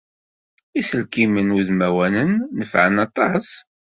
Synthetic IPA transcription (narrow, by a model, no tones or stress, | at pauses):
isəlkimənuðmæwænənːəfʕənɑt̪ˤɑs